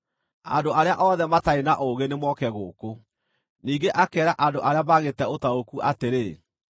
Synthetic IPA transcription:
a̰ndoaɾeaʔɔðɛmataenaʔoɣenemwɔkɛɣoːko | niːŋɡeʔakɛːɾaʔandoʔaɾeamaɣetɛotaokuʔateɾe

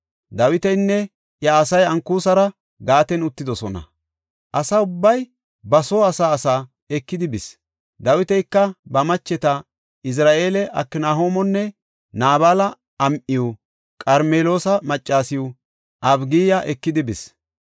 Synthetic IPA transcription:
d̪ɐwɪt̪ɛjnːɛ | jɐːsɐjɐŋkuːsɐɾɐ | ɡaːt̪ɛnʊt̪ːɪd̪ɔsɔnɐ̰ | ʔɐsɐʊbːɐj | bɐsoːɐsaːsaː | ɛkːɪd̪ɪbɪs | d̪ɐwɪt̪ɛjkːɐbɐmɐt͡ʃːɛt̪ɐ | ɪs̬ɾaːʔe̞ːlɛʔɐ̰kːɪnaːɦo̞ːmɔnːɛ | naːβaːlɐ | ɐmʔɪju | kʼɐɾmeːlo̞ːsɐmɐt͡ʃʼːaːsɪjʊ | ʔɐbɡiːjɐʔɛkːɪd̪ɪbɪs

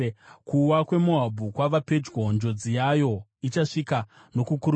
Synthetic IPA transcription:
kuwakwe̞muabʱukwaʋape̞d͡ʒɡond͡ʒo̞d͡zijajo̞it͡ʃaʂika | no̞kukuɾu

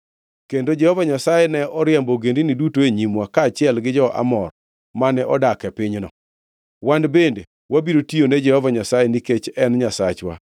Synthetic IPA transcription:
kendod͡ʒɛhɔvaɲasajenɛɔɾɪɛmboɡendinidutoeɲimwakaːt͡ʃɪɛlɡɪd͡ʒɔʔa̰mɔr | manɛʔɔdakɛpɪɲnɔ̰ | wandbende | wabiɾotionɛd͡ʒɛhɔvaɲasajeniket͡ʃɛnɲasat͡ʃwa̰

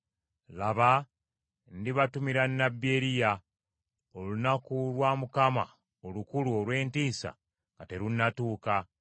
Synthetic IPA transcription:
laβa | ndiβatumiɾanːabeɾija | olunakulwaːmukama̰ | olukuluolwe̞ːntiːsa̰ | ŋɡate̞ɾunːatuːka

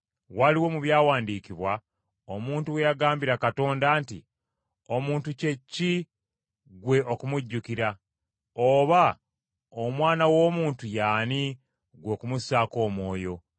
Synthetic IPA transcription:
waliwo̞muβjaːwaːndiːkiβwa | omuːntuwe̞jaɡaːmbiɾakato̞ːndaːnti | o̞muːntuce̞cːi | ɡwe̞ʔo̞kumuɟːukiɾa | oβa | omwaːnawo̞ːmuːntujaːni | ɡwo̞ːkumusaːko̞ːmwo̞ːjo̞

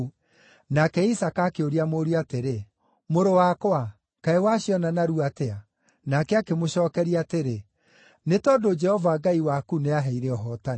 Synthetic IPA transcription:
nakɛisakaːkeoɾiamoɾiateɾe | moɾowakwa | kaewaɕiɔnanaɾuatɛa | nakɛakemoɕɔːkɛɾiateɾe | netɔdod͡ʒɛhɔvaɡaiwakuneaɦɛiɾɛɔɦɔta

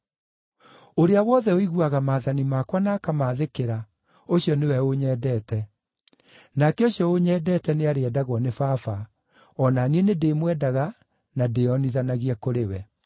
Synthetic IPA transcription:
oɾeawɔðɛoiɣuaɣamaːðanimakwanaːkamaðekeɾa | oɕjɔnewɛoɲɛːdɛːtɛ | nakɛoɕjɔoɲɛdɛtɛneaɾeɛdaɣwɔnefafa | ɔnanienedeːmwɛdaɣa | nadeɔniðanaɣiɛkoɾewɛ

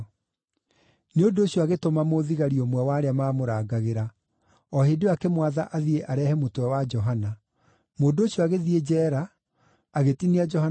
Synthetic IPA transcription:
neodooɕjɔaɣetomamoðiɣaɾiomwɛwaːɾeamaːmoɾaɡaɣeɾa | ɔheːdeakɛmwaða̰ʔaðieʔaɾɛːhɛmotwɛwad͡ʒɔɦana | moːndooɕjɔaɣeðied͡ʒɛːɾaː | ɣetiniad͡ʒɔha

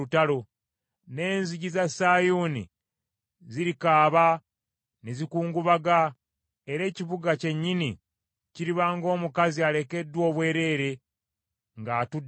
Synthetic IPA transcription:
utalo̞ | ne̞ːnziɟizasaːjuːnḭ | ziɾikaːβa | nezikuːŋɡuβaɡa | e̞ɾe̞ːciβuɡace̞ɲːini | ciɾiβaːŋɡo̞ːmukaziale̞ke̞dːwo̞ːβwe̞ːɾe̞ɾe̞ | ŋɡaːtud

